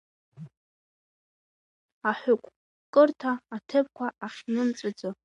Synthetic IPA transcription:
aħʷᶣʊkʷʼ | kʼɨrtʰaːtʰɨp̚kʷʰaʔaχʲnɨmt͡sʼɨd͡zo

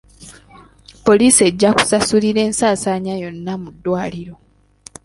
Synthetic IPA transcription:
po̞liːsie̞ɟːaku̥sasuliɾe̞ːnsaːsaːɲajo̞nːamudːwaːliɾo̞

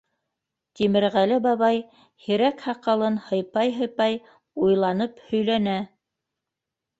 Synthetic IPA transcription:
t̪imɘ̆ɾʁælɘbɑβɑj | hiɾækhɑqɑlˠɤnhɤ̆jpɑjɦɤ̆jpɑj | ujlˠɑnɤphɵ̆jlænæ

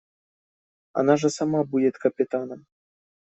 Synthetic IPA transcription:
a̰naʐɐsamabud͡zʲɛt̪kɐpʲɪt̪anɐm

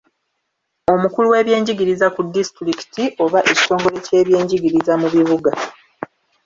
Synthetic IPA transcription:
o̞mukuluwe̞ːβje̞ːɲɟiɡiɾizakudːistɾiki̥tiʔo̞βaʔeci̥to̞ːŋɡo̞le̞ce̞ːβje̞ːɲɟiɡiɾizamuβiβuɡa

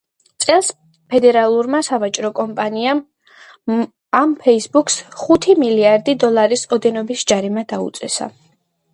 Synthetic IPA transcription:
t̪sʼɛlˠs | pʰɛd̪ɛɾalˠuɾmasavat͡ʃʼɾɔkʼɔmpʼaniam | ampʰɛisbuksχut̪ʰimiliaɾd̪id̪ɔlˠaɾisɔd̪ɛnɔbisd͡ʒaɾimad̪̥aṵt̪sʼɛsa̰

